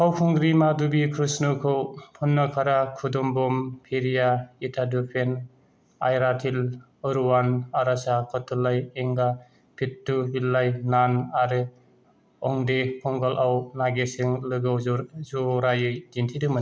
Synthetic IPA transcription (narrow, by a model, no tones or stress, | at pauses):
pʰawkʰuŋɡɾimadubikʰɾusnukʰɯwpʰunːɐkʰaɾakʰudɔmbɔmpʰiɾijaitʰadupʰen | a̰jɾatʰil | ɯɾuwanaɾasakʰɔtʰːulːajeŋɡa | pʰitːuɦilːajnanaɾɯ | ɔŋdepʰɔŋɡɔlʔawnaɡesɯŋlɯɡɯwzɔɾajɯjdintʰidɯmɯ